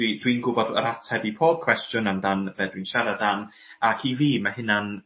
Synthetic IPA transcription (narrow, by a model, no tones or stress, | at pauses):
widwinɡʊbɔdə̰ɾatʰɛbipʰoːb̥̚kʰw̥ɛstjʊnandanb̥ɛdwinʃaɾadan | akʰiːviːmahɪnan